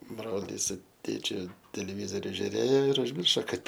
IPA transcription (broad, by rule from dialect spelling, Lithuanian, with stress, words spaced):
ˈbroːlʲiːs sʊ ˈtʲeːt͡ʃʲʊ tʲɛlʲɛˈʋʲiːzoːrʲʊ ʒʲʊˈrʲeːjoː ɪr ʊʒʲˈmʲɪrʃoː ˈkɐt